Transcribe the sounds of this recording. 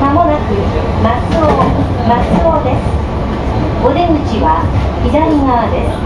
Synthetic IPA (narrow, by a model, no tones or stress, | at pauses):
kamonakɯ̟ | mat͡sɨo | mat͡sɨɾod̪esɨ̥ | od̪emɯ̟t͡ɕiβa̰ | idainaβad̪e